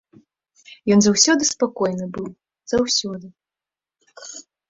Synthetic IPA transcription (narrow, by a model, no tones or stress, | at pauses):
jɔnzawsʲɔd̪ɨspakɔjnɨbɨw | z̥awsʲɔd̪ɨ